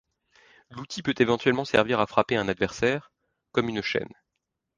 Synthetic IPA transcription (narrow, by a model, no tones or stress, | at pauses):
lut̪ʰipøt̪evɑ̃t̪ɥɛlmɑ̃sɛ̰ʁviʁafχapeɛ̃nad̪vɛʁsɛːʁ | kɔmynʃɛ̰n